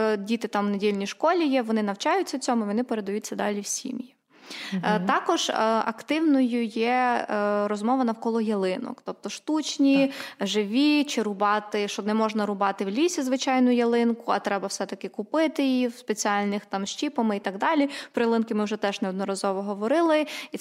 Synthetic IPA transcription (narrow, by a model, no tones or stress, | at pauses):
dʲit̪ɪt̪ɑmnedʲilʲnʲijʃkɔlʲijɛʋɔnɪnɐwt͡ʃɑjʊt͡sʲːɐwt͡sʲɔmʊʋɔnɪpeɾed̪ɐjut̚ʲt͡sʲːɐd̪ɑlʲiwsʲḭmji | t̪ɑkɔʒɐ̰kt̪ɪwnɔjʊjɛ | ɾɔzmɔʋɐnɐwkɔlˠɔjɐlˠɪnɔ̰kt̪ɔp̚t̪ɔʃt̪ut͡ʃnʲiʒɪʋʲit͡ʃɪɾʊbɑt̪ɪʃɔnɛmɔʒnɐɾʊbɑt̪ɪwlʲisʲizʋɪt͡ʃɑjnʊjɐlˠɪnkʊɐt̪ɾɛbɐwsɛt̪ɐkɪkʊpɪt̪ɪjiwspet͡sʲiɑlʲnɪxt̪ɑmʃt͡ʃʲipɐmɪit̪ɑɡd̪ɑlʲipɾɔjɐlˠɪnkɪmɪwʒɛt̪ɛʒnɛɔd̪nɔɾɐzɔʋɔɦɔʋɔɾɪlˠɪ